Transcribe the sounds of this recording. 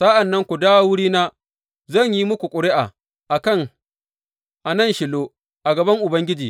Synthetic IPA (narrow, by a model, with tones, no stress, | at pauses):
sɐ˦ʔa˨nːɐ˦ŋkʷu˨daː˦wʊ˦ɽiː˦naː˦ | zɐ˦˨ɲji˦mʊ˦kʷu˨kʷʼʊ˨ɽɪ˦ʔa˨ | ʔa˨kɐ˦˨ŋ | ʔa˨nɐ˦˨nʃɪ˨loː˦ | ʔa˨ɡɐ˨bɐ˦ŋʔʊ˨bɐ˦ŋɡʲɪ˦d͡ʒiː˨